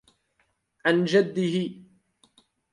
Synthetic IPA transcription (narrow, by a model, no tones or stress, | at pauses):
ʕand͡ʒad̪ːɪɦɪ